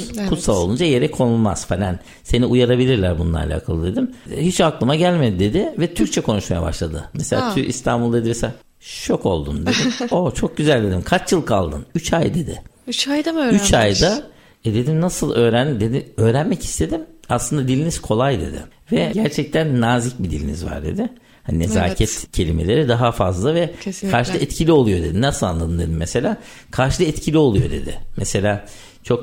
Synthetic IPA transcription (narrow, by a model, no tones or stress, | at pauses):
kʰut̪salˠolˠund͡ʒaje̞ɾɛkʰo̞nulˠma̰z̥falʲan | se̞niujaɾabilʲiɾlʲæɾbunlˠa̰ɾa̰lʲa̰ːkʰalˠɯd̪e̞d̪imhit͡ʃaklˠɯmaɟælʲmed̪id̪e̞d̪ɪvɛt̪ʰyɾc̚t͡ʃʰɛkʰo̞nuʃmaja̰ba̰ʃlˠad̪ɯ̰mɛselʲaːt̪ʰyḭst̪ʰa̰nbulˠd̪e̞d̪imɛsela | ʃo̞ko̞lˠd̪ṵnd̪ed̪iot͡ʃʰo̞k̚ɟyzælʲd̪e̞d̪imkʰat͡ʃjɯlˠkʰalˠd̪ɯ̰nyt͡ʃʰajd̪e̞d̪ɪ̰t͡ʃjd̪yt͡ʃʰajd̪a | ɛd̪e̞d̪imnasɯlˠø̞ːɾænd̪imd̪e̞d̪iø̞ːɾænmɛci̥st̪ʰe̞d̪imaslˠɯnd̪ad̪ilʲiniz̥kʰo̞lˠajd̪e̞̰d̪ɪ̰ | vɛɟæɾt͡ʃʰɛc̚t̪ʰænːaːzic̚bid̪ḭlʲḭnḭzva̰ɾd̪e̞̰d̪ɪ | hanineza̰ːcʰɛt̪cʰe̞lʲimelʲe̞ɾid̪aɦafazlˠavɛkʰaɾʃɯɛt̪cʰilʲio̞lˠujo̞d̪e̞d̪inasɯlˠa̰nlˠad̪ɯmd̪e̞̰d̪imːɛse̞lʲaː | kʰaɾʃɯlˠɯɛt̪cʰilʲio̞lˠujo̞d̪e̞̰d̪ɪ̰mʔɛse̞lʲaː | t͡ʃʰo̞k